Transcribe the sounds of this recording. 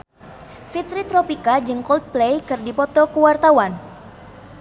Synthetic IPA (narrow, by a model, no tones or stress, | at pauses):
fit̪ɾit̪ɾɔpikad͡ʒɨŋkɔlt̪̚plejkɨrdipɔt̪ɔkuwart̪awan